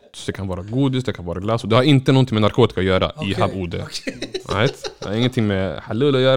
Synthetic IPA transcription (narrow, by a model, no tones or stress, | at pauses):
d̪ɛkʰanvɑːɾaɡuːd̪ɪst̪̚d̪ɛkʰanvɑːɾaɡlasɔd̪ɛhaɾɪnt̪ənɔnt̪ʰɪŋmɛnaɾkʰoːt̪ɪ̥kaɔjœːɾa̰ɪɦavuːd̪ə̰a̰et̪d̪ɾɪŋːənt̪ʰɪŋːmɛhalɵlːɔjœːɾ